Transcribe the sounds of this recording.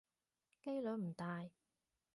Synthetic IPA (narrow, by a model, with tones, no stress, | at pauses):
ke˥jlɵ˨˥m̩˨˩t̪aː˨j